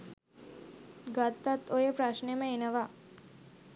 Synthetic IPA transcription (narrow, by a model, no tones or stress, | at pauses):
ɡat̪ːat̪ojəpɾaʃneməenəʋa